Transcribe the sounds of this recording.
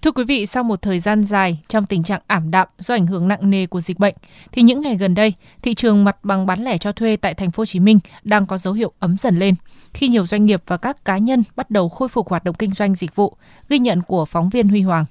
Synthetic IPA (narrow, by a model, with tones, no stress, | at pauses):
t̪ʰɨ˧əkwi˨˦vḭ˧˨sa˧wmo˨˩t̚t̪ʰəː˨˩jzaː˧nzaː˨˩jt͡ɕɔ˧wŋ͡mt̪ï˨˩ŋ̟t͡ɕa̰ː˧˨ŋʔaː˧˩mɗa̰ː˧˨mzɔ˧ʔa˧˩jŋ̟ɦɨ˧˩əŋna̰˧˨ŋne˨˩ku˧˩əzi˨˩k̟̚ɓə̰˧˨jŋ̟ | t̪ʰi˨˩ɲɨ̰˧˥ŋːa˨˩jɣə˨˩nɗə˧j | t̪ʰḭ˧˨t͡ɕɨ˨˩əŋma˨˩t̚ɓa˨˩ŋɓaː˨˦nlɛ˧˩t͡ɕɔ˧t̪ʰwe˧t̪a̰ː˧˨jt̪ʰɛ˨˩jŋ̟fo˨˦t͡ɕi˨˦mï˧ŋ̟ɗaː˧ŋkɔ˨˦zə˨˦whḭ˧˨əwʔə˨˦mzə̰˧˩nle˧nxi˧ɲi˨˩əwzwa˧ŋ̟ŋi˨˩əp̚v̥aː˨˩kaː˦˥kːaː˨˦ɲə˧nɓa˦˥t̚ɗə˨˩wxo˧jfʊ˨˩k̚hwaː˨˩t̚ɗə̰˧˨ŋ͡mkï˧ŋ̟zwa˧jŋ̟zi˨˩k̟̚vṵ˧˨ | ɣi˧ɲə̰˧˨nku˧˩əfɔ˨˦wŋ͡mvi˧ənhwi˧ɦwaː˨˩ŋ